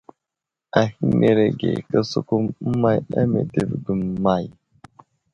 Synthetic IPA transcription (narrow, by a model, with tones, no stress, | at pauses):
a˨hi˦me˨ɾe˨ɡḛ˨kə˦su˦ku˦m̩˦ma˦ja̰˦me˨te˨vɡu˨mma˦˨j